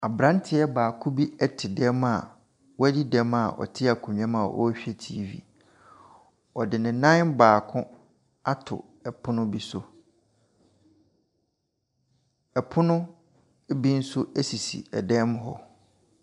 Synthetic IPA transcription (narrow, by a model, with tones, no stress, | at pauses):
a˨bɾã˦n˦tʰɪ˦ɛ˦baː˨kʰʊ̃˦bi˦ɛ˦tʰɪ˨dɛ˦ma˨ | wɔ˦æ˦di˦dɛ˦ma˨ʔɔ̰˨tʰɪ˦a˨kʰʊ̃˨ɲᶣ˨ã˦mã˨ʔɔ̰˦ɕᶣɛ˦tʰiː˦vḭ˦˨ | ɔ˨dɪ˨nɪ̃˨nã˦nbaː˨kʰʊ̃˦ | a˦tʰʊ̰˨ | ɛ˨pʰʊ˦nʊ̃˦bi˦sʊ˨ | ɛ˨pʰʊ˦nʊ̃˦ | bi˦n̩˦sʊ˦æ˦si˨sḭ˨ɛ˨dɛ̃˦m˦ɦɔ˦